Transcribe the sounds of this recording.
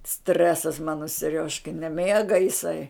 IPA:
ˈsʲtʲrʲæːsɐs ˈmɑːnoː sʲɛˈrʲoːʃkɐɪ nʲɛˈmʲeːɡɐ ɪˈsɐɪ

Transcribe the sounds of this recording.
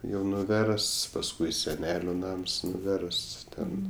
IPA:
jɛʊ nʊˈʋʲɛrsts pɐsˈkʊɪ sʲɛˈnʲæːlʲʊ ˈnɐms nʊˈʋʲɛrsts ˈtʲɛn

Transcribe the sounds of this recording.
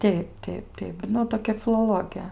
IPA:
ˈtʲɛɪp ˈtʲɛɪp ˈtʲɛɪp ˈnʊ toːˈkʲɛ fʲɪlˠoːˈlˠoːɡʲɛ

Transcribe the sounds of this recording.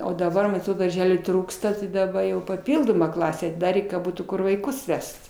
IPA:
oː dɐˈbɐ mɐn ɐtˈroːt dɐrʲˈʒʲæːlʲuː ˈtruːkstɐ tɐɪ dɐˈbɐ jɛʊ pɐˈpʲɪlˠdoːmɐ ˈklˠɑːsʲæː ɐtʲɪˈdɑːrʲeː kɐ ˈbuːtuː ˈkʊr ʋɐɪˈkʊs ˈʋʲɛst

